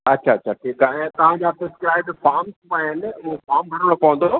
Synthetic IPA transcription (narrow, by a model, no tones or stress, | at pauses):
ɐtːɕʰaɐtːɕʰaʈʰiːkaːɛẽt̪ɐʋ̤ãd͡ʑaːpɾɪskɾaːɪbɖfaːɾmsmãɦɪnɪ̆ʊɦfaːɾmbʱɐɽəɽ̃opɐʋə̃nd̪oː